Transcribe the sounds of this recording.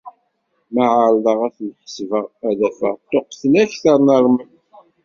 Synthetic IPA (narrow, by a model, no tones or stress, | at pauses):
maʕaɾdəʁæθlħə̥svəʁæðæfə̰ʁt̪ːoqθnæçθəɾˤnəɾˤmə